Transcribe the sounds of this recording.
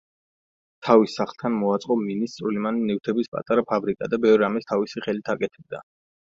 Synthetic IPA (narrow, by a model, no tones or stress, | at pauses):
t̪ʰavisaχlˠt̪ʰanmɔat̪sʼqʼɔminist̪sʼɾulimaninivt̪ʰɛbispʼa̰t̪ʼaɾapʰabɾikʼad̪abɛvɾɾamɛst̪ʰavisiχɛlit̪ʰakʼɛt̪ʰɛb̚d̪a̰